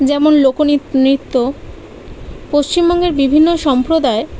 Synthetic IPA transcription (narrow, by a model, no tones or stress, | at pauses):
d͡ʑɛmonlokoninit̪ːo | poʃt͡ɕimbɔŋɡeɾbibʱinːoʃɔmpɾod̪ae